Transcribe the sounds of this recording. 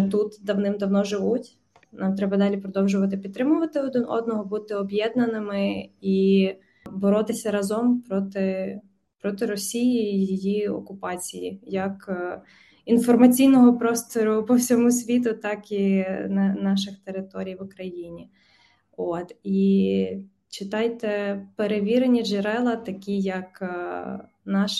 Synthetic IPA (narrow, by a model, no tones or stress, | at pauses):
t̪ut̪d̪ɐwnɪmd̪ɐwnɔʒɪʋutʲ | nɑmt̪ɾɛbɐd̪ɑlʲipɾɔd̪ɔwʒʊʋɐt̪ɪpʲid̪t̪ːɾɪmʊʋɐt̪ɪɔd̪ɔ̰d̪̚nɔɦɔbut̪ɪɔbjɛd̪nɐnɪmɪi | bɔɾɔt̪ɪsʲɐɾɐzɔmpɾɔt̪ɪ | pɾɔt̪ɪɾɔsʲijiːjijiɔ̰kʊpɑt͡sʲijḭjɐk | infɔrmɐt͡sʲijnɔɦɔpɾɔst̪ɔɾʊpɔwsʲɔmusʲʋʲit̪ʊt̪ɑkinɐnɑʃ̬ɪxt̪eɾɪt̪ɔɾʲijʋʊkɾɐjinʲi | ot̪i | t͡ʃɪt̪ɑjt̪ɛpeɾeʋʲiɾenʲiʒeɾɛlˠɐt̪ɐkʲijɐk | nɑʃ